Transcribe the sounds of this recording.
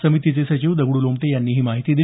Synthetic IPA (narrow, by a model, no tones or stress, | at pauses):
səmit̪it͡sesət͡ɕiːʋd̪əɡɽulomt̪ejanːiːɦiːmaɦit̪iːd̪i